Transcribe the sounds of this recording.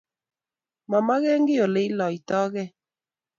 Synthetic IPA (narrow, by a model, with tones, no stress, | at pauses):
ma˨ma˦ɣɛ˦ŋɡɪ˦jo˨le˨i˦lɔ˨i˨tɔː˦ɣɛ˦